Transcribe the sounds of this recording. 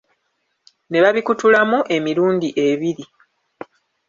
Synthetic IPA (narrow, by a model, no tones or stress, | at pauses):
ne̞βaβikutulamuʔe̞miɾuːndiʔe̞βiɾi